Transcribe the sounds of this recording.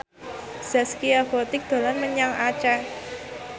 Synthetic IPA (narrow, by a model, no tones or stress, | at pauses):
z̥askiabot̪ɪk̚d̪̥o̤lanməɲaŋat͡ʃa